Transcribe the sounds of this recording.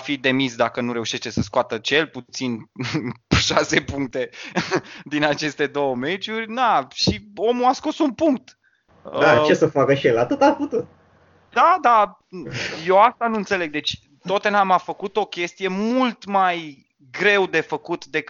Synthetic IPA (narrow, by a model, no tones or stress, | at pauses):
fid̪e̞misd̪akənuɾe̞uʃe̞ʃt̪e̞səskoat̪ət͡ʃe̞lput̪sin | ʃase̞puŋk̚t̪e̞ | d̪inat͡ʃe̞st̪e̞d̪o̞wəme̞t͡ʃurʲd̪aʃio̞muasko̞sunpuŋk̚t̪ | at͡ʃesəfakəʃielat̪ot̪aput̪ut̪̚ | d̪̥ad̪a | jewast̪anuɨnt̪se̞le̞ɡ̚d̪e̞t͡ʃʲ | t̪ot̪enamafəkut̪o̞kʲe̞st̪ije̞mult̪maj | ɡɾe̞wd̪e̞fəkut̪d̪e̞k